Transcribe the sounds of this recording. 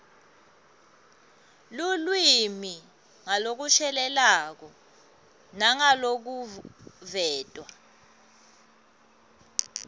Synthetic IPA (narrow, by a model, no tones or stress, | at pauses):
lulwimi | ŋalok̬uʃɛlɛlak̬ɔ | naŋalok̬uvɛːtʼwa